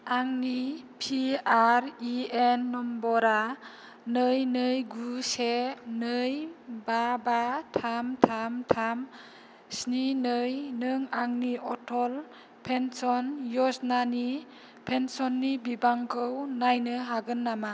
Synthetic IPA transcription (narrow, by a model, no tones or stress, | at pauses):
aŋnipʰiaɾienːɔmbɔɾa | nɯjnɯjɡusenɯjbabatʰamtʰamtʰam | sninɯjnɯŋaŋniʔɔtʰɔl | pʰensɔnjɔsnani | pʰensɔnːibibaŋkʰɯwnajnɯɦaɡɯnːama